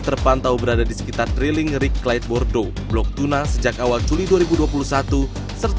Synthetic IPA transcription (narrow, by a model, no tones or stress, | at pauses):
t̪ərpant̪aubəɾadadisə̥kit̪ardɾiliŋrikːlajt̪̚bɔrdo | blɔk̚t̪unasəd͡ʒakawald͡ʒuliduaɾibuduapulusat̪u | sərt̪